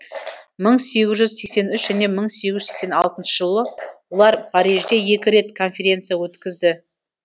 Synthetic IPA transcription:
məɴse̞ɡʲɪzʒʏzse̞kse̞nʏʃʒæne̞məɴseɡʲɪʒʏzsekse̞nɑlˠt̪ənʃəʒəlˠəwolˠɑɾpʰɑɾiʒd̪e̞je̞kʲɪɾe̞t̪kʰo̞nfʲe̞ɾʲe̞nt̪sɨjawɵt̪kʲɪzd̪ɪ

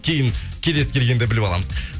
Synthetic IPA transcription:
kʲʰe̞jɪŋkʲʰe̞lesɪ̥kʲe̞lɡʲe̞nd̪ebɪlpɑlˠɑ̰məzm

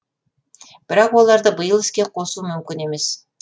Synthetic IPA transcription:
b̥ɪɾɑqwo̞lˠɑɾd̪əbəjəlˠɪskʲe̞qʰo̞sumʏmkʲɪne̞me̞s

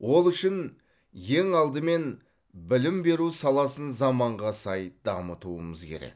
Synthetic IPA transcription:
wo̞lˠʏʃɪn | je̞ŋɑlˠd̪əme̞n | bɪlɪmbe̞ɾusɑlˠɑsənzɑmɑɴʁɑsɑjd̪ɑmət̪uəməzkʲʰe̞̰ɾḛk

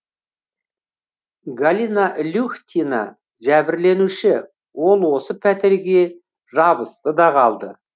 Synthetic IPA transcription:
ɡalʲinaʔlʲuxt̪ʲina̰ | ʒæbɪɾle̞nuʃɪ | wo̞lˠwo̞səpʰæt̪ɪɾɡʲe̞ | ʒɑbəst̪əd̪ɑʁʰɑlˠd̪ə

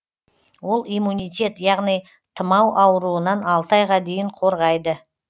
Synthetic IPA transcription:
wo̞lˠijmunʲijt̪ʲe̞t̪jɑʁnij | t̪ʰəmɑwʔɑwəɾuənɑnɑlˠt̪əɑjʁɑd̪e̞jɪɴqʰo̞ɾʁɑjd̪ə

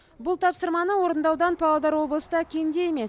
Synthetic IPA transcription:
bʊlˠt̪ʰɑpsəɾmɑnəwo̞ɾənd̪ɑwd̪ɑnpʰɑlˠɑd̪ɑɾwo̞blˠəsəd̪ɑkʲʰend̪e̞je̞me̞s

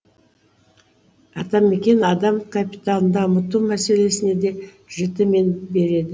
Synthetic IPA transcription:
ɑt̪ɑme̞kʲe̞nɑd̪ɑmkʰapʲi̥t̪anənd̪ɑəmət̪umæse̞le̞sɪne̞d̪e̞ | ʒ̥ɪt̪ɪme̞nbe̞ɾe̞d̪ɪ

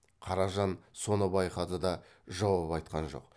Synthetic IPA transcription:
qʰɑɾɑʒɑnso̞nəbɑjqɑd̪əd̪ɑ | ʒɑwɑpɑjt̪̚qɑnʒo̞̰q

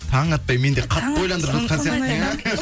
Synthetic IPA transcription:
t̪ʰɑʁɴɑt̪̚pɑjme̞nd̪eqʰɑt̪ːbojlˠɑnd̪əɾbɪzkʰonseɾt̪n

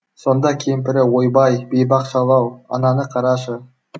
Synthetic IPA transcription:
so̞nd̪ɑkʲʰemp̬ɪɾɪwo̞jbɑjbe̞jbɑqʃɑlˠɑwɑ̰nɑnəqʰɑɾɑʃə

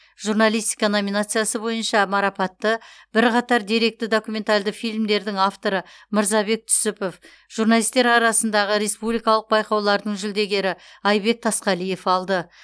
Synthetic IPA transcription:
ʒ̥urnalˠijst̪i̥kano̞mʲinat̪sɨjasəbo̞jənʃɑmɑɾɑpɑt̪ːəbɪɾqɑt̪ɑɾd̪iɾe̞k̚t̪ɪd̪o̞kume̞nt̪alʲd̪ɪfijlʲmd̪e̞ɾd̪ɪŋaft̪o̞ɾəməɾzɑbe̞k̚t̪ʰʏ̥sʏpo̞f | ʒ̥uɾnalijst̪e̞ɾɑɾɑsənd̪ɑʁəɾe̞spublijkɑlˠəq̚bɑjqɑwlˠɑɾd̪əɴʒʏld̪e̞ɡʲe̞ɾɪɑjbe̞k̚t̪ʰɑsqɑlije̞fɑlˠd̪ə

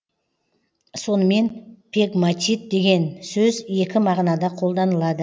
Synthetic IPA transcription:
so̞nəme̞npʰʲeɡmat̪ʲit̪̚d̪e̞ɡʲe̞nsɵzje̞kʲɪmɑʁnɑd̪ɑqʰo̞lˠd̪ɑnəlˠɑd̪ə

